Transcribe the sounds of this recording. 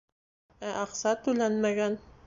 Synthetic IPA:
æʔɑqsɑt̪ʉlænmæɡæn

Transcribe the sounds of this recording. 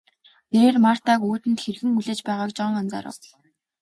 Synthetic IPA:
eɾeːrmar̥t̪aːkoːt̪ɘ̆nt̪xerɣɘ̆ŋuɮeːt͡ɕpæːʁaːkt͡ɕɔŋant͡sa̰ːɾə̰̆w

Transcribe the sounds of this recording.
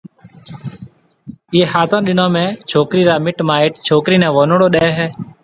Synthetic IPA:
eːhaːt̪ãːɗɪnãːmẽːt͡ʃʰoːkɾiːɾaːmɪʈmãːɪːʈt͡ʃʰoːkɾiːnɛ̃ːʋoːnɽoːɗeɛːɦɛː

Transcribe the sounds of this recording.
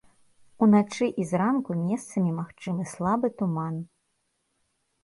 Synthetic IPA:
unat͡ʂɨʔizɾankumʲɛst̪sɐmʲimaxt͡ʂɨmɨslˠabɨt̪uman

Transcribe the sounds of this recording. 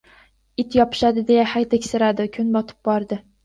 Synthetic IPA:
ɪt̪jɒpʰɪ̥ʃad̪ɪd̪e̞jahajt̪ʰɪkʲsɪɾad̪ɪkʲʰʊnbɒt̪ʰɪ̥p̚bɒɾd̪ɪ

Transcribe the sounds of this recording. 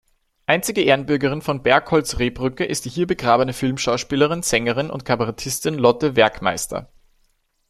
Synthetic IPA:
ʔaɪnt͡sɪɡəʔeːɐnbʏɐɡəʁ̞ɪnfɔnbɛɐkhɔlsʁeːbʁʏkəʔɪst̚d̥iːhiːɐbəɡʁaːbənəfɪlmʃaʊʃpiːləʁɪnz̥ɛŋəʁɪnʊ̰ntkʰabɐʁɛtʰɪstɪnlɔtəvɛɐkma̰ɪstʰɐ̰

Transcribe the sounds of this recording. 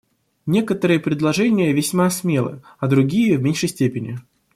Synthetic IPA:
nʲe̞kət̪əɾɨjəpɾʲɪd̪lˠɐʐɛnʲɪjəvʲɪsʲmasmʲelˠɨ̰ | ɐd̪ɾʊɡʲijəvmʲenʲʂɨsʲtʲepʲɪnʲɪ

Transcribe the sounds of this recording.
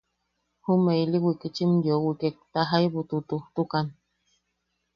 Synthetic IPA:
humeiliwikit͡ʃimjowikek̚t̪aɦaiβut̪ut̪uht̪ukan

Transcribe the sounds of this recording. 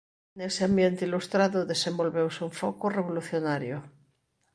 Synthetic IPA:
neseambjent̪eilust̪ɾaðoðesẽmbo̞lβewsuɱfokoreβoluθjonaɾjo

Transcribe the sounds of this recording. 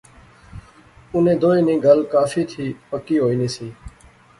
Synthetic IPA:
ʊnẽːd̪oːẽːnĩːɡəlkaːfiːt̪ʰiːpəkiːɦoːiːniːsiː

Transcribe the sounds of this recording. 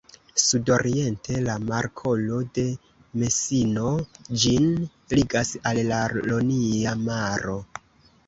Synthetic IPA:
sudo̞ɾie̞ntʰe̞lamaɾkʰo̞lo̞de̞ | me̞sino̞d͡ʒin | liɡasalːaloniamaɾo̞

